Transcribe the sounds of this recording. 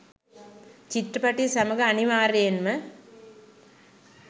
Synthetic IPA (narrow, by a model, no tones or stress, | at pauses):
t͡ʃiʈɾəpaʈisaməɡəaniʋaːɾejenmə